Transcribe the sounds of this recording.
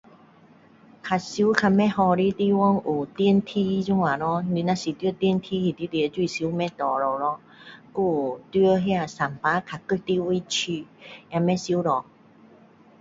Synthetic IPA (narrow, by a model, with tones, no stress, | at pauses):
kʰa˧su˦kʰa˧mɛ̃˦hɔ˧ɾi˦t̪i˦wɔ˦ŋu˨˩t̪i˧ə˨nt̪ʰi˦zu˦ŋwa˨˩lɔ˧˦li˧nã˧˦si˨˩t̪wə˦t̪i˧˨nt̪ʰi˧˦hi˧˨˩t̪i˧˦t̪i˧˨˧t͡ɕwi˧˨si˧˦mɛ̃˦t̪ɔ˨˩ɾɔ˨˩lɔ˧˦ | ku˥˧˩t̪ɥə˦ɦja˧˨sa˨˩mpa˧˦kʰa˨kə˧˨t̪i˦wi˦t͡ɕʰi˧˩jã˧mɛ̃˦˥si˧˦ɾɔ˨˩